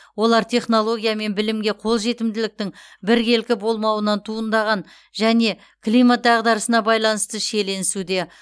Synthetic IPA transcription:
wo̞lˠɑɾt̪ʰʲe̞χno̞lˠo̞ɡʲijame̞nbɪlɪmɡʲe̞qʰo̞lˠʒe̞t̪ɪmd̪ɪlɪk̚t̪ɪŋbɪɾɡʲe̞lkʲɪbo̞lˠmɑwənɑnt̪ʰuənd̪ɑʁɑn | ʒæne̞ | kʰlˠijmat̪̚d̪ɑʁd̪ɑɾəsənɑbɑjlˠɑnəst̪əʃe̞le̞nɪsud̪e̞

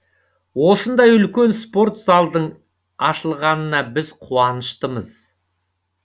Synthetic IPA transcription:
wo̞sənd̪ɑjʏlkʲe̞nspo̞rt̪zɑlˠd̪əɴ | ɑʃəlˠʁɑnənɑbɪzqʰuɑnəʃt̪əməz̥

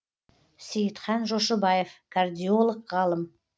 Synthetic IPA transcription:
sijət̪χɑnʒoʃəbɑjevkʰard̪ʲijolˠəqʁɑlˠəm

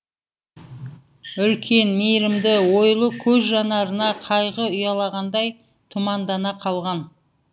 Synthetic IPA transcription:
ʏlkʲʰe̞nmejɾɪmd̪ɪwo̞jlˠəkʲʰɵzʒɑnɑɾənɑqʰɑjʁəʊjɑlˠɑʁɑnd̪ɑj | t̪ʰʊmɑnd̪ɑnɑqʰɑlˠʁɑn

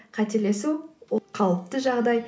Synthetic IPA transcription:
qʰɑt̪e̞le̞suwqʰɑlˠəp̚t̪əʒɑʁd̪ɑj

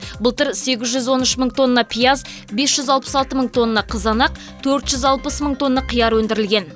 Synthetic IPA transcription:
bʊlˠt̪əɾse̞ɡʲɪzʒʏzwo̞nʏʃməɴt̪ʰo̞nːɑpʰijɑz | be̞sʒ̥ʏzɑlˠpə̥sɑlˠt̪əməɴt̪ʰo̞nːɑqʰəzɑnɑq | t̪ʰɵɾt̪ʒʏzɑlˠpəsməɴt̪ʰo̞nːɑqʰijɑɾwɵnd̪ɪɾɪlɡʲe̞n

